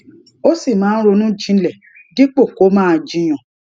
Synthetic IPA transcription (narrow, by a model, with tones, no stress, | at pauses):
o˦si˦˨mãː˨˦n̩˦ɾo˧nũ˦d͡ʒĩ˦˧˦lɛ˨ | ɡi˦k͡po˦˨ko˨˦mãː˦˧d͡ʒĩ˧j̃ɔ̃˨